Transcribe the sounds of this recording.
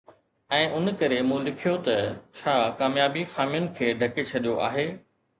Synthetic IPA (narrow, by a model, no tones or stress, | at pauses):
ɛ̃ːʔʊnkɐɾemũːlɪkʰijot̪ɐt͡ɕʰaːkaːmjaːbixaːmijʊnɪ̆kʰeːɖʱɐket͡ɕʰɐɗijoʔa̰ːɦeː